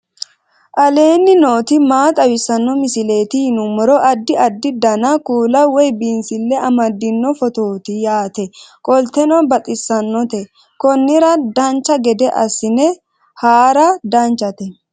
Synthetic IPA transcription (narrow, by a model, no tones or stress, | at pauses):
ʔɐle̞ːnːɪno̞ːt̪ɪmaːt̪ʼɐwɪsɐnːɔmɪsɪle̞ːt̪ɪhɪnʊmɔɾɔʔɐd̪ːɪɐd̪ːɪd̪ɐnɐkuːlɐwɔjbinsɪlːɛʔɐmɐd̪ːɪnːɔfɔt̪o̞ːt̪ɪjaːt̪ɛkʼɔlt̪ɛnɔbɐt̪ʼɪsːɐnːɔt̪ɛ | kɔnːɪɾɐd̪ɐnt͡ʃːɐɡɛd̪ɛʔɐ̰sɪnɛ | haːɾɐd̪ɐnt͡ʃːɐt̪ɛ